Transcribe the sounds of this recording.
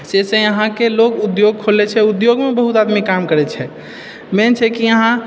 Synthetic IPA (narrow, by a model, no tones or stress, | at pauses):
sesɛ̃əɦãkelokud̪joɡ̚kʰolɛt͡ʃʰɛud̪joɡmebəɦut̪ad̪mikːamkəɾɛt͡ʃʰɛ | mɛnt͡ʃʰɛkiəɦã